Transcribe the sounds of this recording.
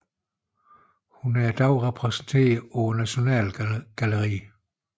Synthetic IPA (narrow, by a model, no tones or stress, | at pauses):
hunæɐd̥ɑʊʁɛpʰʁɛsn̩t͡sʰe̝̰ːɐðˠɒʊɐnæɕo̝nɛ̰ːlɡ̥æləʁḭː